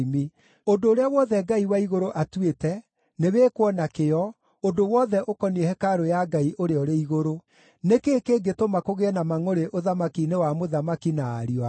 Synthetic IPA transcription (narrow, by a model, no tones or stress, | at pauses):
mi | odoːɾeawɔðɛɡaiwaiɣoɾoʔatwetɛ | neweːkwɔnakeɔ | ondowɔðɛʔokɔniɛhɛkaɾojaɡaiʔoɾeɔɾeiɣoɾo | nekekeːɡetomakoɣeɛnamaŋoɾeʔoðamakinewamoðamakinaːɾia